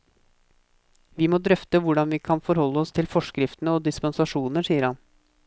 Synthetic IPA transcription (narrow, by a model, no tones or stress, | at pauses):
ʋimoːd̪ɾœft̪əʋʊɖɑnʋiːkʰɑnfɔɾhɔlːəɔst̪ʰɪlfɔʂkɾɪft̪nəɔːd̪ɪspɛnsɑʂuːnəʂiːəɾhɑn